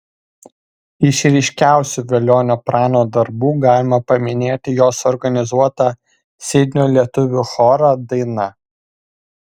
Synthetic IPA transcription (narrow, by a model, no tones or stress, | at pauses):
ɪʃɾʲɛɪʃʲkʲæˑʊsʲuːʋʲɛlʲoːnʲupɾɑːnoːd̪ɐɾbuːɡɑːlʲɪmɐpɐmʲɪnʲeːt̪ʲɪjoːsɔɾɡɐnʲɪzuɔt̪ɑ | sʲɛɪd̪ʲnʲoːlʲiɛt̪ʊʋʲʊxɔːɾɐd̪ɐɪnɐ